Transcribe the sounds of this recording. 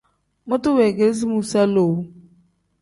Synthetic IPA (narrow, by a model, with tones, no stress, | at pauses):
mʊ˦tʊ˦wɛ˨ɡe˨lz̬i˦mu˨sa˦lo˨˦